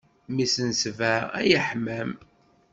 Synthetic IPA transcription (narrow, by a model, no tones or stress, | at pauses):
misənsvææ̰jəħməm